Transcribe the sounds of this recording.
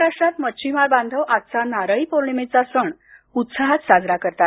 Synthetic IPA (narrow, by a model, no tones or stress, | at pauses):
ɾaʂʈɾat̪mət͡ɕʰimaɾbãnd̪ʱəʋʔat̪̚t͡sanaɾəipoɾɳmet͡sasəɳ | ut̪saɦat̪sad͡zɾakəɾt̪at̪